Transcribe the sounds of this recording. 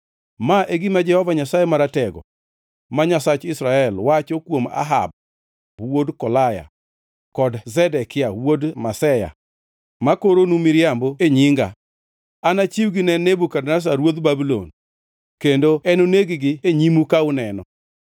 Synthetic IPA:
maʔeɡimad͡ʒɛhɔvaɲasajemaɾatɛɡɔ̰ | maɲasat͡ʃɪsɾaɛlwat͡ʃokwoma̰ɦa̰b̚ | wodkɔlaja̰ | kɔdzɛdɛkɪawodmasɛja̰ | makoɾonumiɾjamboeɲiŋɡa̰ | anat͡ʃiwɡɪnɛnːebukadnas̬aɾwod̪babilo̰n | kendoɛnoneɡɪɡɪeɲimukaʊnɛnɔ̰

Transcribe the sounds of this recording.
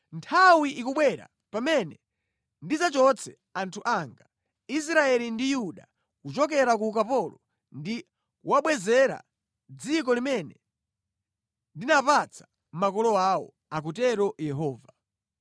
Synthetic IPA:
ntʰawiʔikuɓwɛɾa̰ | pamɛnɛ | ndizat͡ʃɔt͡sʰɛ | antʰuʔaŋɡa | is̬ɾaɛlindijuɗa | kut͡ʃɔk̬ɛɾak̬ukapɔlɔ | ndi | waɓwɛzɛɾa̰ | d͡zikɔlimɛnɛ | ndinapat͡sʰḁ | m̩makɔlɔaːwɔ̰ | ak̬utɛɾɔjɛɦɔːva

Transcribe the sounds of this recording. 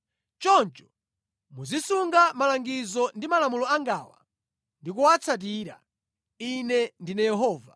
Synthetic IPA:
t͡ʃɔnt͡ʃɔ̥ | muzisuŋɡamalaŋɡizɔndimalamulɔaŋɡaːwa̰ | ndikuwat͡sʰat̬iːɾa̰ | inɛndinajɛɦɔːva

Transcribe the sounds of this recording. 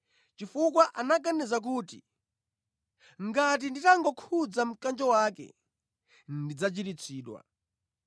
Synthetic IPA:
t͡ʃifuk̬waʔanaɡanɛzak̬uːti | ŋɡat̬inditaŋɡɔkʰud͡zam̩kand͡ʒɔwakɛ̰ | ndid͡zat͡ʃitit͡sʰiːɗwa̰

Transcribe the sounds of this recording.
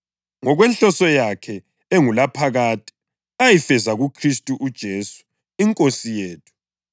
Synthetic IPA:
ŋɔɣwɛnɬɔsɔjakʰɛ | eŋulapʰaɣaːtʼi̥ | ajifɛzaɣukʰristʼuʔud̥ʒ̥ʱesu̥ | iŋkʼosijeːtʰu̥

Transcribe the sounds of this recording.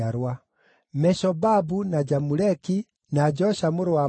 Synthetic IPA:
aɾwa | mɛʃɔbabunad͡ʒamulɛki | nad͡ʒɔʃamuɾuwa

